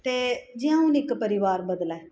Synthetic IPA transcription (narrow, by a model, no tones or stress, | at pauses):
t̪eːd͡ʒɪjãːʊnɪkpəɾɪʋaːɾbəd̪laː